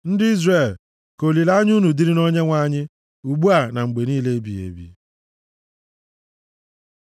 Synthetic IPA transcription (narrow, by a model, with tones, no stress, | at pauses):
n̩˦dɪ˦i˦zre˦˨l | ko˨li˨la˦ɲ˦u˦nu˨di˦ɾɪ˦no˦ɲe˦ŋʷa˦ɲɪ˦ | u˨ɡ͡bu˦a˨na˨ŋ͡m̩˨ɡ͡be˨niː˦le˦e˦bi˨ḛ˨bḭ˨